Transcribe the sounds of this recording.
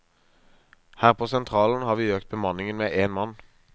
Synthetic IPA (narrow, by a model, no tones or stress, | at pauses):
hæːʁpʰoːsɛnt̪ʰʁɑːln̩hɑːʁʋiːøːk̚t̪̚bəmɑnɪŋənmeːʔeːnmɑn